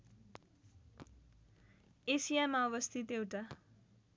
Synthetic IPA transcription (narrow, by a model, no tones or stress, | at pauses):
esijamaʌβʌst̪ʰit̪ewʈa